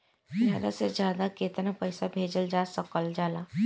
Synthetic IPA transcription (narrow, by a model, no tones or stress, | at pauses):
zjaːd̪a̰sezjaːd̪akeːt̪napɛɪsabʱeːd͡ʒəld͡ʒaːsəkəld͡ʒaːlaː